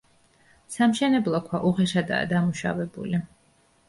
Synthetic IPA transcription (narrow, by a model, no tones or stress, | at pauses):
samʃɛnɛblˠɔkʰwaʔuʁɛʃad̪a̰ːd̪amuʃa̰vɛbṵli